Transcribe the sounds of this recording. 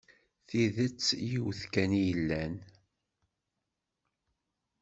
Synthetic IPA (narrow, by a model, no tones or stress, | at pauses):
θiðət͡sːjiwθkænijəlːæn